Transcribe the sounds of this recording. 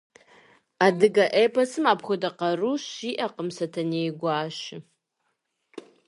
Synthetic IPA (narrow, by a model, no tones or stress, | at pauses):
adɨɡaʔejpʰasɨmapʰχʷʊdaqaruʃiʔaqəmsatʰanejɡʷaːʃɪ